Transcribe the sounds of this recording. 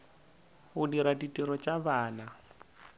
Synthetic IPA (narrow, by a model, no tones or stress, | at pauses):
hʊdiɾaditʼiɾɔt͡ʃʼaβaːna